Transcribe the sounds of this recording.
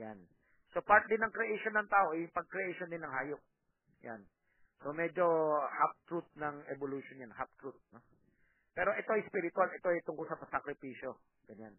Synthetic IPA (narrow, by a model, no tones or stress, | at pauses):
jan | so̞paɹt̪̚d̪ɪnːɐŋkɾɛʔejʃonːɐŋt̪aːʔo̞ʔɛjʊŋpɐɡ̚kɾɛʔejʃond̪ɪnːɐŋhaːjok̚ | ja̰n | so̞mɛd͡ʒo̞hap̚t̪ɹut̪̚nɐŋɛboluʃonjanhap̚t̪ɹut̪̚no | pɛːɾo̞ʔɛt̪o̞ʔɐjspiːɾɪt̪ʊalʔɛt̪oɛjt̪ʊŋkolsɐsɐkɾɪpiːʃo | ɡ̥ɐɲan